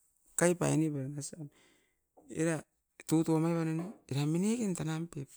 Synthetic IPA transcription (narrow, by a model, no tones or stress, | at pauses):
kajpa̰jnibaɾanasam | ḭɾa | tutuamajβananiɾaminekentanampep